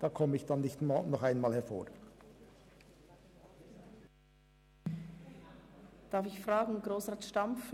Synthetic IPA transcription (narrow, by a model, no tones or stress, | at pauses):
d̪̥ɑːkʰɔməɪçd̥̪ɑnːɪçtnɔχæɪnmɑːlhɛɾfo̰ːɾ | d̥ɑɾfɪçfʁɑːɡŋ̩ɡʁoːsʁaːtʃtamf